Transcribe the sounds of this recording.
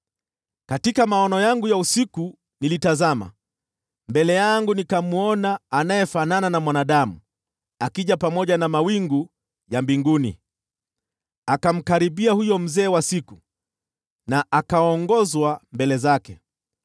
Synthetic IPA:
katikamaɔnɔjaŋɡujausiku | nilitazama̰ | mbɛlɛjaŋɡunikamuɔnaːnajɛfanananamwanaɗamu | akiʄapamɔʄanamawiŋɡu | jambiŋɡunḭ | akam̩kaɾiɓiahujɔm̩zɛːwasiku | naʔakaɔŋɡɔzwambɛlɛzakɛ

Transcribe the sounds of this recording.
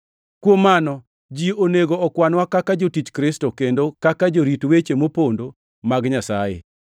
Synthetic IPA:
kwomanɔ | d͡ʒioneɡoɔkwanwakakad͡ʒotit͡ʃkɾɪstokendokakad͡ʒoɾitwet͡ʃemopondo | maɡɲasajḛ

